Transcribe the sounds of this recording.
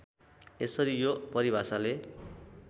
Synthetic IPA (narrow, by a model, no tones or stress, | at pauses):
esʌɾijopʌɾibʱasale